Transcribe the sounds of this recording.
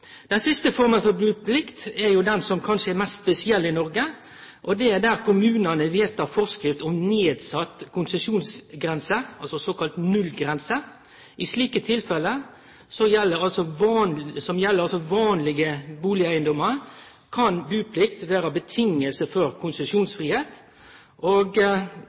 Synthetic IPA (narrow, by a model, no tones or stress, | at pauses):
d̪̥ɛnsɪst̪əfɔɾmənfɔɾbʉːpʰlɪkt̪ɛɾjʊd̪ɛnsɔmkʰɑnʂəɛɾmɛst̪bəsɪɛlːɪnɔɾɡə | ʔɔd̪ɛæɾd̪æɾkʊmʉːnənəʋeːt̪ɑfɔʁskɾɪft̪ɔmneːd̪sɑt̪ːkʰʊnsəʂuːnsɡɾɛnsəɑlsɔsoːkɑlt̪nʉlɡɾɛnsə | ʔɪsliːkət̪ʰɪlfɛlə | sɔjɛlːəɾɑlsɔʋɑːnsɔmjɛlːəɾɑlsɔʋɑːnlɪɡəbuːlɪæɪənd̪ɔmːəɾ | kʰɑnbʉːpʰlɪkt̪ʋæːɾɑbət̪ʰɪŋəlsəfɔɾkʰʊnsəʂuːnsfʁiːheːt̪ | ʔoɡ